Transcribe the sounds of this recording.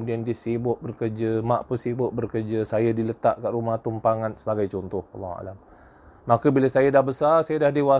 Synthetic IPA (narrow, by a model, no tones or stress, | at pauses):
udiandisibʊʔ̚bərkərd͡ʒəmaʔpəsibʊʔ̚bərkərd͡ʒəsajadilət̪aʔkaʔrumaht̪umpaŋansəbaɡajt͡ʃɔnt̪ʊhɑ̰lːɑha̰lam | makəbiləsajadahbəsasajadahdiwa